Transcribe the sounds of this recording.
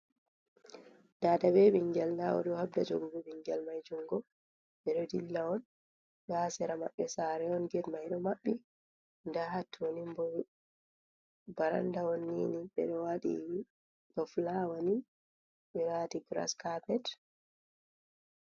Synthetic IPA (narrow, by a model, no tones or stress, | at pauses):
daːdabɛɓiŋɡɛlnawɔ̰ɗɔhabdad͡ʒo̰ɡubɛɓiŋɡɛlmajd͡ʒuŋɡɔ | ɓɛɗɔdilːaɔn | ɓaːsɛɾamaɓːɛsaɾɛɔnɡɛdmajɗɔmaɓːi | ndaɦatːwonimbɔ | baɾa̰ndawɔnːḭniɓɛ̰ɗɔwaɗḭ | bɔflawani | ɓɛɾatiɡɾa̰skapɛt